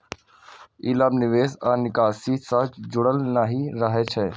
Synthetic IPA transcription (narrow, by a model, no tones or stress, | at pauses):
iːlaːbnɪʋeːsaːnɪkaːsiːsad͡ʒʊɽəlnaɦiɾɐɦɛt͡ʃʰɛ